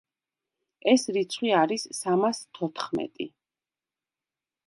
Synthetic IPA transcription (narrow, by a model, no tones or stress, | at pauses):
ɛsɾit̪sʰχwiaɾisːamast̪ʰɔt̪ʰχmɛ̰t̪ʼḭ